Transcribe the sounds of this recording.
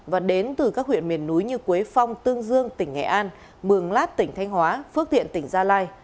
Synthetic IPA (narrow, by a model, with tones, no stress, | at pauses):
vaː˨˩ɗe˨˦nt̪ɨ˨˩kaː˦˥k̚hwḭ˧˨ənmi˨˩ənːu˨˦jɲɨ˧ku˨˦ə˦jfa˧wŋ͡mt̪ɨ˧əŋzɨ˧əŋt̪ï˧˩ŋŋɛ̰˧˩˨ʔaː˧n | mɨ˨˩əŋlaː˦˥t̚t̪ï˧˩ŋ̟t̪ʰa˧jŋ̟hwaː˨˦fɨ˦˥ət̪ḭ˧˨ənt̪ï˧˩ŋ̟zaː˧laː˧j